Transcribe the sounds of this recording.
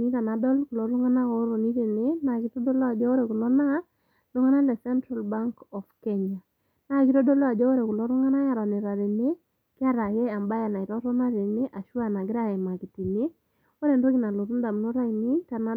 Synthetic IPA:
ni˦ta˨na˨dɔ˦lku˨lɔ˨˦ɾʊ˦ŋa˦na˦o˦ɾo˨ni˦ɾe˨ne˦na˨ki˦tɔ˦dɔ˦lɔ˦a˨d͡ʒɔ˦o˦ɾɛ˨ku˨lɔ˦na˦ | lʊ˦ŋa˦na˦lɛ˨sɛ˦ntɾa˨lba˦ŋkɔ˨fke˦ɲa˨ | na˨ki˦ɾɔ˦do˦lɔ˦a˨d͡ʒɔ˦o˦ɾɛ˨ku˨lɔ˦ɾʊ˦ŋa˦na˦ja˨ɾɔ˨ne˨ɾa˨ɾe˨ne˦ | kɪ˦a˦ɾa˨jɛ˦a˨mba˦ja˨na˨i˨ɾɔ˦ɾɔ˦na˦ɾe˨ne˦ʔa˨ʃwa˦˨na˨ɡɪ˦ɾa˦ɛ˨ma˨ki˨ti˨ne˦ | o˦ɾe˨ndo˦ki˨na˨lo˨ɾu˦nda˨m˨no˦ɾa˦i˨ni˦ta˨na˦

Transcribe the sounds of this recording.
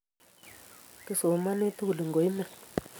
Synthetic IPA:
kə˦so˨ma˦ne˦tu˦wu˨lə˨ŋɡo˨˦i˦mə˨

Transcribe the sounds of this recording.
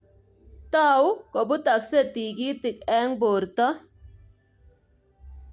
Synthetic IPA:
t̪aː˦wko˨bu˦t̪ɐ˨kse˦t̪iː˨ɡiː˦t̪i˨kɛː˦ŋboː˨ɾt̪a˦

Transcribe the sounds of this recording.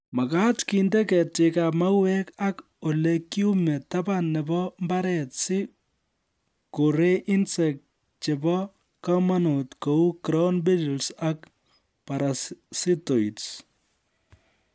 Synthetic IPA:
ma˨ka˦tkindɛ˦kɛ˨t̚t͡ʃe˨ka˨pma˦wɛka˦k | o˨leki˦u˦mɛ˨tabanːɛbɔmbaɾɛ˨tsɪ˦ | ko˨ɾe˦ʔi˦nsɛ˨k̚ | t͡ʃebɔ | kamano˨tkou˦kɾɔnbi˦ɾlsak | paɾassi˦to˨its

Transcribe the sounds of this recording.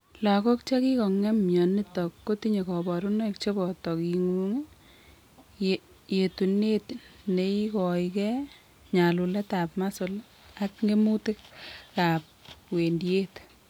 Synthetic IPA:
la˨kɔ˦k̚t͡ʃa˦ki˦kɔ˨ŋɛ˦mjɔ˨ni˦tɔkːo˦ti˦ɲe˨kɔ˨bɔɾunɔ˦k̚t͡ʃe˦bɔ˨tɔ˨ki˨ŋu˦ŋe | je˨tu˨netne˨ikɔ˨jkɛ | ɲa˨lu˨lɛ˦tapmasol | akŋɡe˦mu˦tɪ˦k̚ka˨p̚we˨ndie˦t

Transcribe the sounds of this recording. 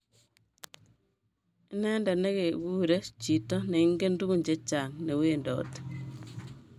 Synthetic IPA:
i˦nɛ˦nda˨ne˦ɣe˨ɡuː˦ɾe˦t͡ʃi˨tɔ˦ne˨i˦ŋɡe˦ndu˦ɣu˦˨ɲd͡ʒe˦t͡ʃa˨ŋne˨weː˦ndɔ̰˨˦t

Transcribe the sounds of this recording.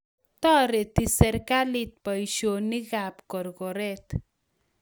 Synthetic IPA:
t̪ɔ˦ɾe˨t̪i˨sɛ˨ɾka˦li˦t̪̚pa˨jʃo˨ni˦ɣa˨pkɔ˨ɾkɔ˨ɾɛt̪

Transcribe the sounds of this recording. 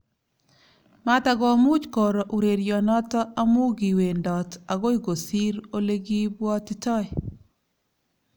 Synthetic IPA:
ma˦ta˨ɡɔ˦mu˦t͡ʃkɔ˨ɾɔ˨ʔu˨ɾe˨ɾjɔ˨nɔ˦tɔ˦a˦mu˦ɡi˨we˨ndɔ˨ta˨ɡo˦i˦ɡo˨si˦ɾo˦le˦ɡi˦bwɔ˦tɪ˦tɔ˦ɪ

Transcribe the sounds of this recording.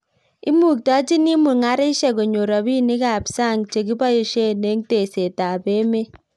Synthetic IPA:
ɪ˦mu˨k̚ta˦t͡ʃi˦ni˦mu˨ŋa˦ɾɪ˦ʃɛ˦˨ɡo˨ɲo˨ɾɔ˨bi˦nɪ˦ka˨psa˦˨ŋt͡ʃe˨ki˦ba˦jo˦ʃe˦ne˨˦ŋte˨se˨ta˨be˦me˦

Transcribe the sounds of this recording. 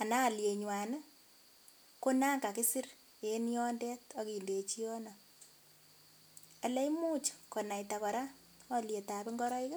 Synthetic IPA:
a˨na˦˨lje˨ɲwa˨n˦ | ko˦na˦ka˨kɪ˦si˦r | e˨ni˦ɔ˦nde˦tɔ˦ki˨nde˨t͡ʃi˦ɔ˦nɔ˨ | ɛ˨lɛ˦imuː˦t͡ʃkɔ˨na˨jtakɔ˨ɾa˦ | ɔ˦lje˨ta˨pɪ˦ŋɡɔ˦ɾɔ˦ɪka˦

